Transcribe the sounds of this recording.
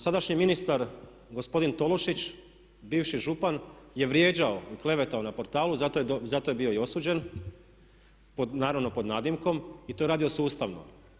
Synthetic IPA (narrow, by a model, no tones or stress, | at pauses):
sad̪aʃɲiminist̪aɾ | ɡo̞spo̞d̪int̪o̞lˠoʃit͡ɕ | biːʋʃiʒupanje̞ʋɾje̞ːd͡ʑaoiklˠe̞ʋe̞t̪aonapo̞ɾt̪aːlˠuzat̪ozat̪o̞je̞bio̞io̞suːd͡ʑe̞n | pod̪naːɾaʋno̞po̞d̪naːd̪imko̞mit̪oeɾaːd̪io̞suːst̪aʋno̰m